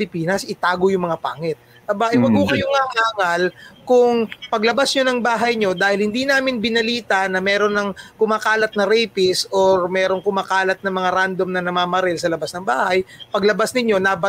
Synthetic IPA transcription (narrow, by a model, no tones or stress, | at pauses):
lɪpiːnɐsɪt̪aːɡojʊŋmɐŋapaːŋɛt̪̚ː | abaʔɪwɐɡhokɐjoŋaŋaːŋɐlkʊŋpɐɡlɐbasɲonɐŋbaːɦɐjɲo̞d̪aːhɪlhɪnd̪iːnaːmɪnbɪnɐliːt̪ɐnɐmɛːɾo̞nːɐŋkʊmaːkaːlɐt̪̚nɐɾɛjpɪsʔoɹmɛːɾo̞ŋkʊmaːkaːlɐt̪̚nɐmɐŋaɾand̪o̞mnɐnɐmaːmɐɾɛlsɐlɐbasnɐŋbaːhɐjpɐɡlɐbasnɪɲo̞naːbɐ